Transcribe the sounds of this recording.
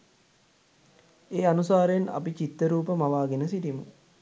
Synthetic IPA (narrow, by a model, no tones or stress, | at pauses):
eːanusaːɾəena̰pit͡ʃit̪ːəɾuːpəmaʋaːɡenəsiʈimṵ